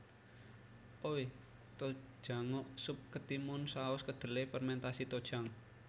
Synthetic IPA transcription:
ʔowe | t̪o̥ʒ̥a̤ŋoʔsʊp̚kət̪imʊnsaʊskəd̪̥ə̤lepərmɛnt̪asit̪od̥ʒ̥aŋ

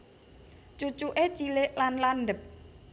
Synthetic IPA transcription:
t͡ʃut͡ʃuʔet͡ʃileʔlanlanɖəp̚

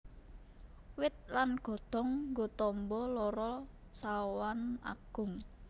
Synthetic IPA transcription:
wɪt̪̚lanɡ̥ɔ̤d̪̥ɔ̤ŋɡot̪ɔmbɔlɔɾɔ | sawana̰ɡ̥ʊŋ

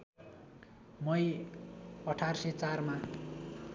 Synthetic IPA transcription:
mʌj | ʌʈʰarsʌt͡sarma

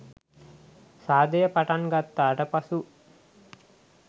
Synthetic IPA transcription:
saːd̪ejəpaʈaŋɡat̪ːaːʈəpasu

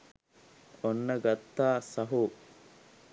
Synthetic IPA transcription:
onːɐɡɐt̪ːaːsɐɦu

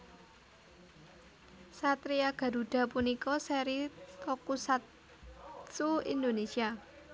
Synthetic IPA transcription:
sat̪ɾiaɡ̥a̤ɾuɖ̥ä̤punikɔsɛɾit̪ɔkusat̪ | suḭnd̪onesia

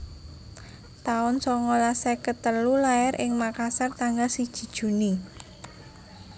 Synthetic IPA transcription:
t̪aʊnsɔŋolasɛkət̪əlulaɛɾʔɪŋmakasart̪aŋɡalsid̥ʒ̥i̤d̥ʒ̥ṳni

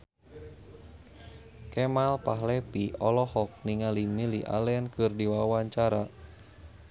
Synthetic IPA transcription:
kɛmalpaɦlɛpiɔlɔhɔk̚niŋalimiliʔa̰lɛankɨrdiwawaɲt͡ʃaɾa

